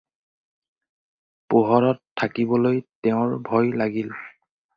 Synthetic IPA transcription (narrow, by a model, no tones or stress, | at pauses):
poɦɔɹɔtʰːakibɔlojtɛʊ̃ɹbʱɔjlaɡil